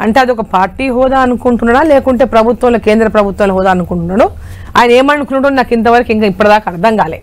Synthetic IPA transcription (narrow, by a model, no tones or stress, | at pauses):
ɐ̰ɳʈe̞ːɐd̪ɔkɐpaːɾʈiːɦɔːd̪aːɐnukuɳʈunːaːɽaːleːkuɳʈe̞ːpɾɐbʱut̪ʋɐmloke̞ːnd̪ɾɐpɾɐbʱut̪ʋɐmlɐɦɔːd̪aːɐnukuɳʈunːaːɽu | a̰ːjɐnɐeːmɐnukunuʈunnaːkint̪̬ɐʋɐɾɐkuiŋkaːipːɐɽɐd̪aːkɐɐɾd̪ʱɐŋɡaːleː